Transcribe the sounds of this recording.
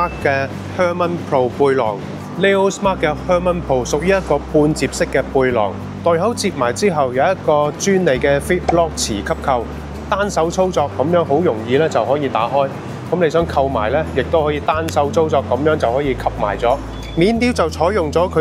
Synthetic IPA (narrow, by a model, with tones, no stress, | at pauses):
aː˥kkɛː˧ | hœː˥mɐ˥npʰɹo˧wpuː˧jlɔ̰ː˨˩ŋ | le˥o˥wsmaː˥k̚kːɛː˧hœː˥mɐ˥npʰo˧˩wsʊ˨k̚jyː˥jɐ˥t̚kɔː˧puː˧nt͡siː˧p̚sɪ˥kːɛː˧puː˧jlɔ̰ː˨˩ŋ | t̪ɔː˨jɦɐ˨˥wt͡siː˧p̚maː˨˩jt͡siː˥ɦɐ˨wjɐ˨˧wjɐ˥t̪̚kɔː˧t͡ʃyː˥nle˨jkɛː˧fiː˥t̚lɔː˥k̚t͡sʰḭː˨˩kʰɐ˥p̚kʰɐ˧w | t̪aː˥nsɐ˨˥wt͡sʰo˥wt͡sɔː˧kːɐ˨˧˥mjœː˨˥ŋɦo˨˥wjʊ˨˩ŋjiː˨˧lɛː˥t͡sɐ˨wɦɔː˨˥jiː˧t̪aː˨˥ɦɔː˥j | kɐ˨˥mne˨˧jsœː˨˥ŋkʰɐ˧wma̰ː˨˩jlɛː˥jɪ˨k̚t̪o˥whɔː˨˥jiː˨˧t̪aː˥nsɐ˨˥wt͡sʰo˥wt͡sɔː˧kːɐ˨˥mjœː˨˥ŋt͡sɐ˨whɔː˨˥jiː˧kʰɐ˥p̚ma̰ː˨˩jt͡sɔː˨˥ | miː˨˧nt̪iː˥wt͡sɐ˨wt͡sʰɔː˨˥jʊ˨ŋt͡sɔː˨˥kʰɵ˨˧